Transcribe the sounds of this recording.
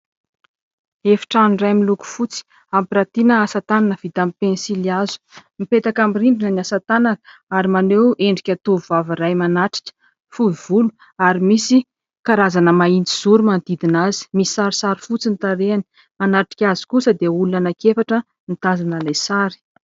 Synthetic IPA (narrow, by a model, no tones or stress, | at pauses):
efi̥ʈ͡ʂanrajmiluku̥fut͡si̥ | ampiɾat̪inəasat̪ananəv̥it̪amipensiliazu̥mipet̪akamirimbinəniasat̪ananəaɾimanewʔeɳɖ͡ʐikʲat̪ovvaviɾajmanaʈ͡ʂi̥kʲə̥ | fuivulu̥ | aɾimisi | kaɾazanəmaint̪iz̥uɾumand̪id̪inazi̥misi̥saɾisaɾifut͡sinit̪aɾeani̥ | manaʈ͡ʂi̥kʲazi̥kusəd̪eulunanakefaʈ͡ʂə | nit̪azanəlajsaɾi̥